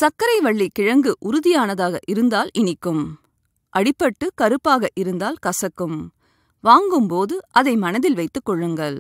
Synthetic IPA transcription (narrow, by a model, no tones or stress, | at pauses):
sɐkːɐɾɐɪʋɐɭːikɪɻɐŋɡɯʔʊɾʊðɪjaːnɐðaːɣɐʔɪɾɯnd̪aːlɪnɪkːɯm | ʔɐɽɪpːɐʈːɯkɐɾɯpːaːɣɐʔɪɾɯnd̪aːlkɐsɐkːɯm | ʋaːŋɡɯmpoːðɯʔɐðɐɪmɐnɐðɪlʋɐɪt̪ːɯkːɔɭːɯŋɡɐɭ